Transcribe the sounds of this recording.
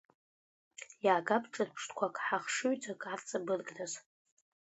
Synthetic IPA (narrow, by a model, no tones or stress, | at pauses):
jaːɡapʰʈ͡ʂʼɨrpʰʂtʰʼkʷʰakʼħaχʂɨɥt͡sʰʼakʼart͡sʼabɨrɡʼnaz